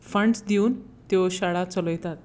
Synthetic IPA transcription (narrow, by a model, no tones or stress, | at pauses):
fəɳɖsd̪iuːn | t̪eɕaɽat͡səlɔjt̪at̪̚